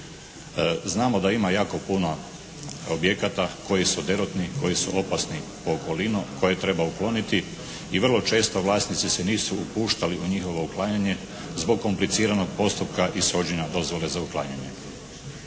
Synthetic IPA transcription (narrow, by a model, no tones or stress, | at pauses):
znaːmo̞d̪aimajaːko̞puno̞ | obje̞kat̪ako̞jisud̪e̞ɾot̪nikʰo̞jisṵʔo̞pasnipoːko̞linukʰo̞jet̪ɾe̞bauklˠo̞nit̪i | iʋr̩lˠo̞t͡ʃe̞ːst̪o̞ʋlˠaːsnit̪sise̞niːsuupuːʃt̪aliʔuɲixo̞ʋo̞uklˠaːɲaɲe̞ | zbo̞ɡ̚kːo̞mplit̪siːɾano̞ɡ̚po̞st̪upkaʔiso̞d͡ʑenad̪o̞zʋo̞le̞zauklˠa̰ːɲaɲe̞